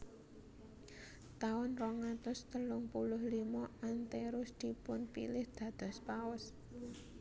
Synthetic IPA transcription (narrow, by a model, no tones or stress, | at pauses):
t̪aʊnrɔŋat̪ʊst̪əlʊŋpulʊhlimɔant̪eɾʊsd̪̥i̤pʊnpḭlɪhd̪̥ä̤d̪̥ɔ̤spawʊs